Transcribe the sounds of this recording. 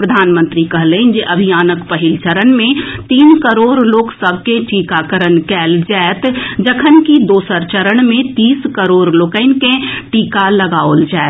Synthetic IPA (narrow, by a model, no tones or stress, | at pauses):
pɾəd̪ʱaːnmə̃nt̪ɾikəɦlẽnd͡ʒeʔəbʱijaːnəkpəɦɪlt͡ʃəɾənmẽt̪iːnkəɾoːɾloːksəb̚ʱkẽʈikakəɾənkɛːld͡ʒɛɛt̪d͡ʒəkʰənkid̪oːsəɾt͡ʃəɾəɽ̃mẽt̪iːskəɾoːɾloːkəɪnkẽʈiːkaləɡaːold͡ʒaɛt̪